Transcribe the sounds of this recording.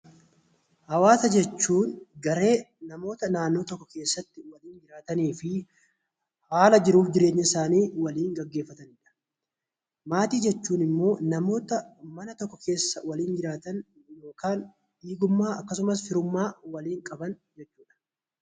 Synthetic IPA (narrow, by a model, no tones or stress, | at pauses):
hɐwaːsɐd͡ʒɛt͡ʃːuːnɡɐɾe̞ːnɐmo̞ːt̪ɐnaːnːo̞ːt̪ɔkːɔke̞ːsːɐt̪ːɪwɐliːnd͡ʒɪɾaːt̪ɐniːfɪ | haːlɐd͡ʒɪɾuːfd͡ʒɪɾe̞ːɲːɐɪsaːniːwɐliːŋɡɐɡːe̞ːfːɐt̪ɐnɪᶑɐ̥ | maːt̪iːd͡ʒɛt͡ʃːuːnɪmːo̞ːnɐmo̞ːt̪ɐmɐnɐt̪ɔkːɔke̞ːsːɐwɐliːnd͡ʒɪɾaːt̪ɐn | jo̞ːkaːn | iːɡʊmːaːɐkːɐs̬ʊmɐs̬fɪɾʊmːaːwɐliːŋkʼɐbɐnd͡ʒɛt͡ʃːuːᶑɐ̥